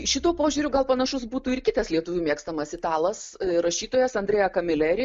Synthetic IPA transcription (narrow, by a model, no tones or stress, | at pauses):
ʃʲɪt̪uːpoːʒʲuːɾʲʊɡɐlˠpɐnɐʃʊsbuːt̪uːɪrkʲɪt̪ɐslʲiɛt̪ʊʋʲumʲiɛkst̪ɐmɐsʲɪt̪ɑːlˠɐsɾɐʃʲiːt̪oːjɛsɐndʲrʲeːjɛkɐmʲɪlʲæːɾʲɪ